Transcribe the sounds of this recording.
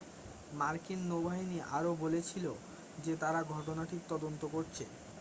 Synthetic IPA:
maɾkinːobaɦiniʔa̰ɾobolet͡ɕʰilo | d͡ʑet̪aɾaɡʱɔʈonaʈiɾt̪ɔd̪ont̪okoɾt͡ɕʰḛ

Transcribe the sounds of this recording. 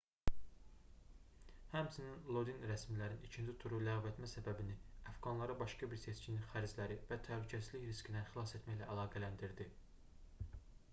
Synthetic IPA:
hæmsʰininlˠo̞d̪inɾæsmilæɾinit͡ʃʰind͡ʒ̪it̪ʰuɾulæɣve̞t̪mæsæbæbiniæfɡɑnlˠɑɾɯbɑʃkɑbiɾse̞t͡ʃʰininχæɾd͡ʒlæɾivæt̪ʰæhlycʰæsizliçɾiscʰid̪ænχilˠɑse̞t̪mæçlæʔælˠɑːɡælænd̪iɾd̪i

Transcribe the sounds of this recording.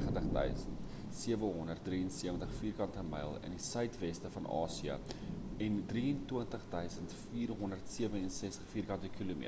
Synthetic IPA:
χəntəχdœ̰ɥsəntt | siəvəɦɔndərt̚driənsiəvəntəχfiːrkɐntəmɐ̰jlˠə̰ndisœɥtvɛstəfɐnɑ̰ːsiə̰ɛndriəntwiəntəχdœɥsəntfiːrɦɔndərtsiəvəɛnsɛstəχfiːrkɐntəkilum̰

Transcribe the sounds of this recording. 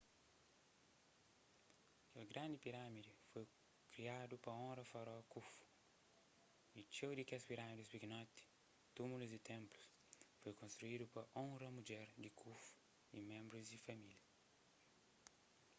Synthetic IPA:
ɐkelɡɾãnd̪ɪpiɾamid̪ifoj | kɾiad̪upɐõɾɐfaɾɔkufu̥ | it͡ʃewd̪ɪkɛspiɾamid̪ispiɡnɔt̪i̥ | t̪umuluzd̪ɪt̪ẽmplu̥s | fojkõst̪ɾuid̪upɐʔõɾɐmud͡ʒɛɾd̪ɪkʰuf | ḭmẽmbɾʊzd̪ɪfɐmiljɐ

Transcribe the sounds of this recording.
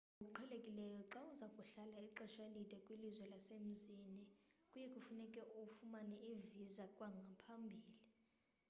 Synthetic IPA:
uk̬ʼuǃʰɛlekʼilɛjɔǁauzakʼuɬalaiǁɛʃwalidʱʼɛkʼwilizwɛlasem̩zinikʼujɛkʼufunɛkʼɛʔuufumanɛivizakʼwaŋɡʱapʰambʱiːli

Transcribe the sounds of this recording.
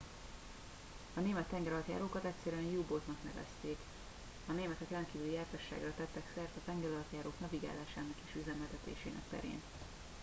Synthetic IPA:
ɒneːmɛt̪ːɛŋɡɛɾɒlt̪ja̰ːɾoːkɒt̪ɛtʲsɛɾyɛnjuːbot̪nɒknɛvɛ̰st̪eːk | ɒneːmɛt̪ɛkrɛnt̪kiːvylijaːrt̪ɒʃːa̰ːɡrɒt̪ɛt̪ːɛksɛrt̪ɒt̪ɛŋɡɛɾɒlt̪jaːɾoːknɒviɡa̰ːlaːʃaːnɒkeːʃyzɛmɛlt̪ɛt̪ḛːʃḛːnɛ̰k̚pɛ̰ɾḛːn

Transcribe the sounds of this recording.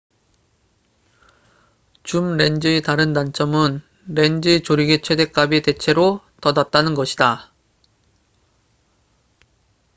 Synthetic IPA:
t͡ɕumɾe̞nd͡ʑɯetaɾɯndant͡ɕ͈ʰʌmɯn | ɾe̞nd͡ʑɯt͡ɕoɾiɡe̞t͡ɕʰwe̞de̞k͈abete̞t͡ɕʰe̞ɾo | tʌdat̚t͈anɯnɡʌɕʰida

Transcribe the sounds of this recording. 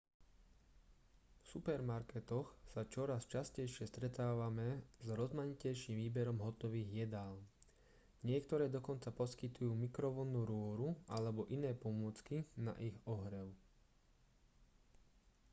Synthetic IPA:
fsupɛɾmaɾkɛt̪ɔxsat͡ʃɔɾast͡ʃascɛjʃɪɛst̪ɾɛt̪aːʋamɛzɾɔzmaɲicɛjʃiːmʋiːbɛɾɔmɦɔt̪ɔʋiːɣjɛd̪aːl | ɲɪɛk̚t̪ɔɾɛːd̪ɔkɔnt͡sapɔskit̪ujuːmikɾɔʋɔnːuɾʊɔɾualɛbɔʔinɛːpɔmʊɔt͡skina̰ʔiɣɔɦɾɛʊ

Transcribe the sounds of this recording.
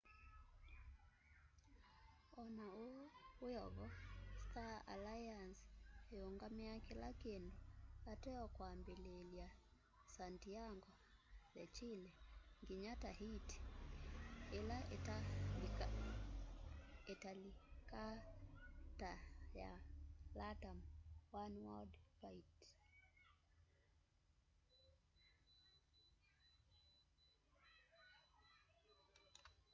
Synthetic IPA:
ɔnaowjɔɣɔstaa̰lajanseoŋɡameakelakendoatɛɔkwambelelja | santiaŋɡwaðɛt͡ʃileŋɡiɲataɦiti̥ | elaa | ɛtalika | taja̰latamwanwaldfait

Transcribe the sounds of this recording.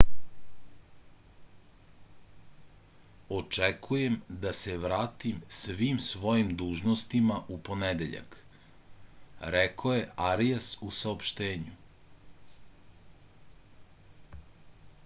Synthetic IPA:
ot͡ʂekʰuje̞md̪aseʋɾaːt̪imsʋiːmsʋo̞jimd̪uːʒnost̪imaʔupo̞ned̪eʎa̰k | ɾekʰoje̞ʔaɾijasusaopʃt̪eːɲu

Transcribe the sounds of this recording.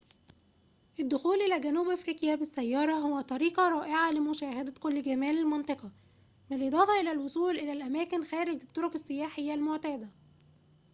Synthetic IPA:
ʔɪd̪ːʊxuːlʔelæɡænuːbʔæfɾiːkjæbɪsːæjːɑːɾˤɑɦowːæt̪ˤɑɾiːqɑɾˤɑːʔeʕalɪmʊʃæːhæd̪ækolːɡæmæːlɪlmɑnt̪ˤɑqɑ | mɪlʔed̪ˤɑːfɑʔelælwosˤuːlʔɪlælʔæmæːkɪnxæːɾɪɡɪt̪ˤːoɾokesːɪjæːħejːælmoʕt̪æːd̪æ

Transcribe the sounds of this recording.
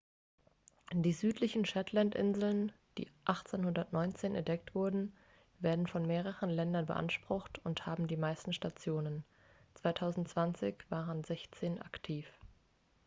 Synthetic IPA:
d̥iːzyːtʰlɪçn̩ʃatʰlantʔɪ̰nzl̩n | d̥ḭːʔaχt͡seːnhʊndɐtnɔʏnt͡seːnʔɛ̰ntd̥ɛk̚tv̥ʊɐdn̩ | veːɐdn̩fɔnmeːʁ̞əʁənlɛndɐnbə̰ʔa̰nʃpʁ̥ʊxtʊnthaːbm̩diːmaɪstn̩ʃtat͡sjoːnən | t͡sv̥aɪtʰaʊzn̩tt͡sv̥ant͡sɪçv̥aːʁənzɛçt͡seːnʔa̰ktʰiːf

